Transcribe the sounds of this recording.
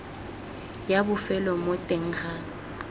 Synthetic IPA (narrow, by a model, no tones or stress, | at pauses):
jabʊfɛlɔmʊtʼeŋ̩ːɣa